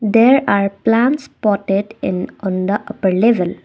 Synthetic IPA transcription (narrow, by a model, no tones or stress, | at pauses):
d̪eɾaɾplãnʈspɔʈeɖɪ̃nɔ̃nd̪əʔɐpəɾleʋəl